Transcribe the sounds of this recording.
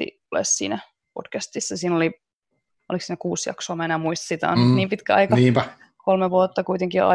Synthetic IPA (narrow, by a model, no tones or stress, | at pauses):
ḭ | lḛssḭːnæ | pod̥kæst̪isːæsiːnoli | oliksiːnækuːsjɑ̰ksoːmæenæːmuist̪ɑ̥sit̪æ̰o̰nyniːmpit̪kæɑ̰ikɑniːpæ | kolmeʋuot̪ːɑkuit̪eŋkḭɑ̰